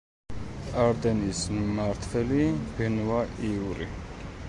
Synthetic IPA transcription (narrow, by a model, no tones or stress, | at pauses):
aɾd̪ɛnismaɾt̪ʰvɛlib̥ɛnwaiuɾḭ